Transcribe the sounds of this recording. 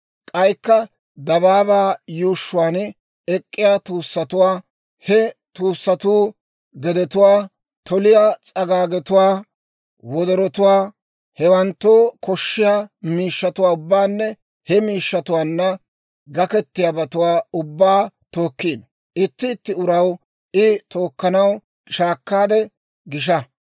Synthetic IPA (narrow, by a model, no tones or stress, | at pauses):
kʼɐjkːɐ | d̪ɐβaːbaːjuːʃːʊwaːn | ɛkʼːɪjaːt̪uːsːɐt̪ʊwaː | hɛt̪uːsːɐt̪uː | ɡɛd̪ɛt̪ʊwaː | t̪ʰɔlɪjat͡sʼɐɡaːɡɛt̪ʊwaː | wɔd̪ɔɾɔt̪ʊwaː | hɛwɐnt̪ːoːkɔʃːɪjamiːʃːɐt̪ʊwaːʊbːaːnːɛ | hɛmiːʃːɐt̪ʊwaːnːɐ | ɡɐkɛt̪ːɪjaːbɐt̪ʊwaːʊbːaːt̪o̞ːkːiːn | ʔɪt̪ːɪːt̪ːɪʊɾɐw | ɪt̪o̞ːkːɐnɐw | ʃaːkːaːd̪ɛ | ɡɪʃ̬ɐ